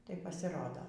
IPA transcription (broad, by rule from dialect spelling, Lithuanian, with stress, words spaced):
tɐɪ pɐsʲɪˈroːdoː